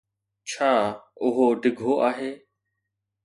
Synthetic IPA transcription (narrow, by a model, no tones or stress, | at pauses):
t͡ʃʰaːʊɦoːɖɪɡʱoːʔaːɦeː